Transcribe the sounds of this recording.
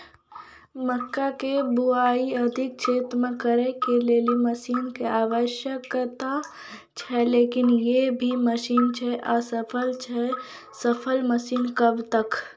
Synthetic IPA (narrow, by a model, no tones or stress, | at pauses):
məkːakebuaːiəd̪ʱɪk̚t͡ʃeːt̪ɾmãkəɾekeleːliməʃiːnkeaːʋəʃjəkt̪a | t͡ʃʰɛleːkɪnjebʱiməʃiːnt͡ʃʰɛʔasəpʰəlt͡ʃʰɛ | səpʰəlməʃiːnkəbt̪ək